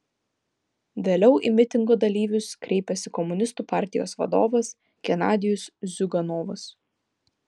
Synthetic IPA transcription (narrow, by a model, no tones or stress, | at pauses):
ʋʲeːlʲɛʊʔḭmʲɪt̪ʲɪŋɡoːd̪ɐlʲiːʋʲʊskɾʲʔɛɪpʲɛsʲɪkɔmʊnʲɪst̪uːpɑˑɾʲt̪ʲɪjo̰ːsʋɐ̰d̪o̰ːʋɐs | kʲɛnɑːd̪ʲɪjʊszʲʊɡɐnoːʋʊs